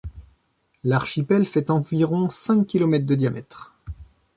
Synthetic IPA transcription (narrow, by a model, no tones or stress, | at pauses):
laʁʃipɛlfɛt̪ɑ̃viʁɔ̃sɛ̃kʲːilɔmɛt̪χd̪əd̪jamɛ̰t̪χ